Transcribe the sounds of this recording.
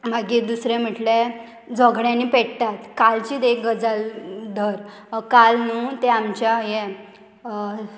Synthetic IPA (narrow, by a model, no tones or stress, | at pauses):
maɡid̪usɾẽm̤əʈle | d͡zəɡɽjãniːpeɽt̪at̪kalt͡ɕiːd̪ekɡəd͡zald̪ʱəɾ | kalnũːt̪eamt͡ɕajɛ